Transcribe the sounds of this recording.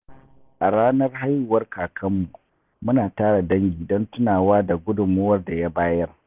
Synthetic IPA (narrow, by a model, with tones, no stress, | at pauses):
ʔa˨ɽaː˦nɐ˦rɦa˦jːʊ˨wɐ˦rkaː˨kʰɐ˦mːu˨ | mʊ˦naː˨taː˦ɽa˨dɐ˦ŋɡʲiː˨dɔ˦ntʊ˦naː˨waː˦da˨ɡʷʊ˦dʊ˨mːʊ˦wɐ˦rda˨ja˦baː˦jɐ˦r